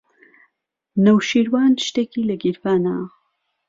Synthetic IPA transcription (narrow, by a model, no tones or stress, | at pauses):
nɐwʃiːɾwaːnʃt̪eːkiːlɐɡiɾfaːna